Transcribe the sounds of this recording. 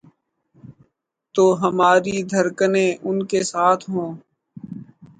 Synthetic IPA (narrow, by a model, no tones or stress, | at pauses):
t̪oːɦəmaːɾid̪ʱəɾkənẽʔʊnkesaːt̪ʰɦõː